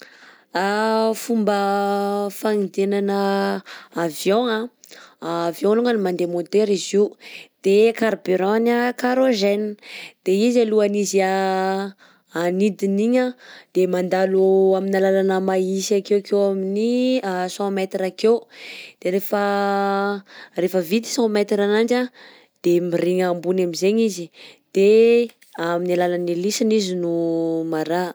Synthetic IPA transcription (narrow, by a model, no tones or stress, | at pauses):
afumbə | faŋid̪enanə | avjoŋaː | vjõluŋanimand̪emod̪eɾiziwd̪̥ekaɾbeɾɔnakaɾoʒɛnd̪̥eizaluanizia | anid̪iniɲəd̪̥emand̪aloaminalalanəmaisakewkewaminiasɔ̃mɛt̪iɾakewd̪̥eɾefə | refəvit̪i̥sɔ̃mɛt̪iɾanaɳd͡ʒa | d̪̥emiɾiŋambunamizeɲizid̪̥e | aminalalanilisinizinumaɾa